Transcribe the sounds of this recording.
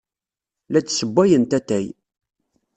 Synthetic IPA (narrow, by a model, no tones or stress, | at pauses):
læt͡ssəbʷːæjənt̪æt̪æj